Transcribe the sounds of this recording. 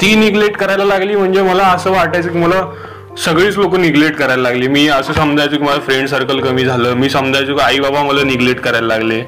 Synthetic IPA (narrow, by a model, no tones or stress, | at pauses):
t̪iːniɡleʈkəɾajlalaɡliːm̤əɳd͡zeməlaəsəːʋaʈajt͡səkiməla | səɡɭiːt͡slokəniɡleʈkəɾajlalaɡliːmiːəsəːsəmd͡zʱajt͡səkiməlafɾeɳɖsəɾkəlkəmiːd͡zʱaləːmiːsəmd͡zʱajt͡səkaibabamələniɡleʈkəɾajlalaɡle